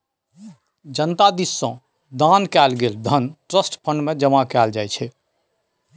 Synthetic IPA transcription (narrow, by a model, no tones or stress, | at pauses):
d͡ʒənt̪ad̪isːɔ̃ | d̪ankɛlɡeld̪ʱənʈɾəsʈpʰəɳɖmed͡ʒəmakɛld͡ʒajt͡ʃʰɛ